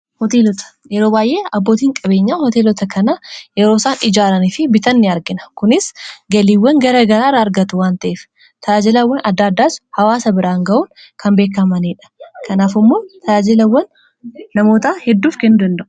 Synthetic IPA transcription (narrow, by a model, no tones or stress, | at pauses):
hɔt̪eːlɔt̪ɐ̥ | jɛɾo̞ːbaːjʔe̞ːɐbːoːt̪iːŋkʼɐbeːɲːaːhɔt̪eːlɔt̪ɐkʰɐnajɛɾo̞ːsaːnʔɪd͡ʒaːɾɐnɪfɪbɪt̪ɐnːɪɐɾɡɪnɐ̥kʊnɪsɡɐliːwːɐŋɡɐɾɐɡɐɾaːrːɐːɾɡɐt̪ʊwaːnt̪ɐʔeːf | t̪ʰɐaːd͡ʒɪlɐwːɐnʔɐd̪ːaːd̪ːaːshɐwaːsɐbɪɾaːŋɡɐʔuːn | kɐmbe̞ːkːɐmɐniːᶑɐ̥kʰɐnaːfɪmːoːt̪ʰɐaːd͡ʒɪlɐwːɐnː | ɐmo̞ːt̪aːhɛd̪ːuːfkɛnːʊd̪ɐnd̪ɐʔʊ